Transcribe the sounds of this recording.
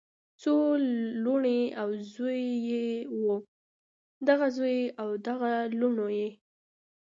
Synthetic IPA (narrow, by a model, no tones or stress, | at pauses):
t͡soluɳeawzojːewo | d̪aɣazojawd̪aɣaluɳoje